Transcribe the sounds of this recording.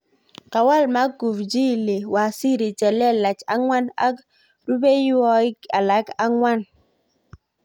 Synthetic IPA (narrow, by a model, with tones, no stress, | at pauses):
ka˨wa˦˨lma˦ku˨vd͡ʒi˦˨li˨wa˨si˦ɾi˨t͡ʃɛ˨lɛ˦la˨t͡ʃa˨˦ŋwa˦na̰˦k | du˦be˦jɔ˦ɪ˦ka̰˨la˨˦ka˦ŋwa˦n